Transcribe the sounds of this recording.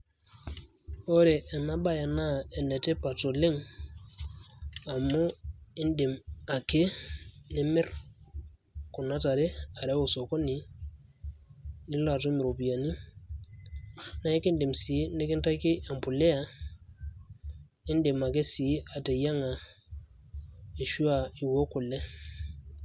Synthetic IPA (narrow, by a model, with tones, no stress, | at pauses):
o˦ɾe˨ʔːna˦ba˦ja˨na˦ɛ˨nɛ˨te˦pa˨to˨le˦ŋ | a˨mo˦ɪ˦ndi˨ma˨ke˦nɪ˦mɛ˦r | ku˨na˦ta˨ɾe˦a˨ɾɛ˦u˨so˨kɔ˦ni˨ | ni˦la˨to˦mi˨ɾo˨pi˨ja˨ni˦ | na˨e˦ke˦ndi˨msi˨˦ne˦ke˦nta˦ke˦a˨mpu˨le˦a˨ | i˦nde˨ma˨ke˦si˨˦a˨te˨ja˦ŋa˨ | e˨ʃu˦a˨i˨wo˦ku˨le˦